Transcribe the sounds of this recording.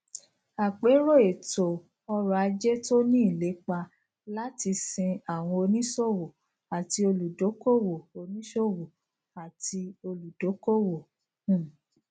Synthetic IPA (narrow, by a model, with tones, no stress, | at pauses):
a˨k͡pe˨˦ɾo˦˨e˨to˨ | ɔ˧ɾa˨˧d͡ʒe˦to˦nĩ˦i˦˨le˨˦k͡pa˧ | la˦ti˧sĩ˧a˨w̃ɔ̃˧o˧nĩ˦ʃo˦˨wo˨ | a˨ti˧o˧lu˨do˨˦ko˦wo˨o˧nĩ˦ʃo˦wo˨ | a˨ti˧o˧lu˨do˨˦ko˦wõ˨˦˨